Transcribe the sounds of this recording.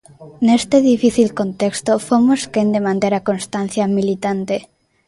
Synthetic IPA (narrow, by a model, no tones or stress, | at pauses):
nest̪eðifiθilkont̪ekst̪ofomoskend̪emãnt̪eɾakonst̪an̟θjamilit̪ant̪e